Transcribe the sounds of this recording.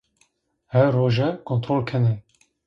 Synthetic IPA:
hɛɾːoːʒɛkʰont̪ɾoːlkʰɛnɛ

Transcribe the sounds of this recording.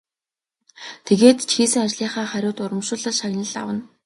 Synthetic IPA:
t̪ʰeɣeːt̪t͡ɕʰxiːsɘ̆ŋat͡ɕɮiːχaːχæɾʲʊːt̪ʊɾə̆mʃʊ̆ːɮə̆ɮʃaɣʲnə̆ɮa̰wə̆n

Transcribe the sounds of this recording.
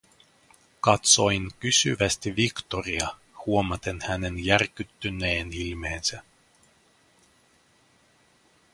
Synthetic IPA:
kɑt̪so̞jŋkysy̰ʋæst̪iʋikt̪o̞riɑ | huo̞mɑt̪e̞nhæne̞njærkyt̪ːynːe̞ːnilme̞ːnsæ

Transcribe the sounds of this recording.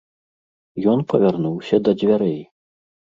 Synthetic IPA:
jɔnpɐvʲarnuwsʲɐd̪ɐd͡zʲvʲaɾɛj

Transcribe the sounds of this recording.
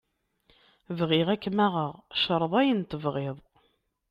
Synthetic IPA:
vʁɪʁækːmæʁəʁʃəɾˤəðˤæjənt̪əvʁeðˤ

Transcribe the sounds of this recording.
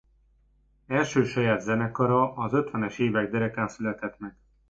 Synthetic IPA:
ɛlʃøːʃɒjaːd̪zɛnɛkɒɾɒʔɒzø̞t̪ʋɛnɛʃeːvɛɡ̚d̪ɛɾɛkaːnsylɛt̪ɛt̪mɛk

